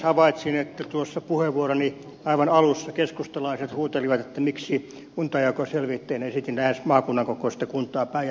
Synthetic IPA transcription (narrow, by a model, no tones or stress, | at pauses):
hɑʋɑit̪sinet̪ːæt̪uosːɑpuheʋʋuoroni | ɑiʋɑnɑlusːɑkeskust̪ɑlɑiset̪huːt̪eliʋɑt̪et̪ːæmiksi | kunt̪ɑjɑkoselʋit̪ːeinesit̪inlæhesmɑːkunːɑŋkokoˑst̪ːekunt̪ˑɑːpæi